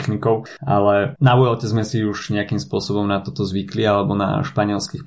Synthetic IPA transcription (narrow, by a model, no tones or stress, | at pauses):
xnikɔʊʔalɛnaʋujɔlcɛzmɛsiuʒɲɛakimspʊɔsɔbɔmnat̪ɔt̪ɔzʋiklialɛbɔna̰ʃpaɲɪɛlskixp